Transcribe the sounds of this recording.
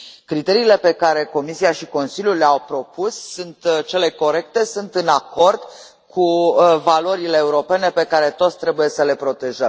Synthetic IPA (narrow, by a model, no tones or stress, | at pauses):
kɾit̪e̞ɾiːle̞pe̞kaɾe̞ko̞misiaʃiko̞nsiljulːeawpɾo̞pusːunt̪t͡ʃe̞le̞ko̞ɾe̞k̚t̪e̞sunt̪ɨnako̞rd̪ | kʰuvalo̞ɾile̞ːuɾo̞pe̞ne̞pe̞kaɾe̞t̪o̞t̪sʲt̪ɾe̞buje̞səle̞pɾo̞t̪e̞ʒəm